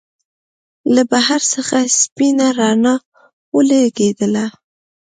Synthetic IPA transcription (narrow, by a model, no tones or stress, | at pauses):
labahaɾsəxaspinaɾɑnɑ | wəlaɡed̪əla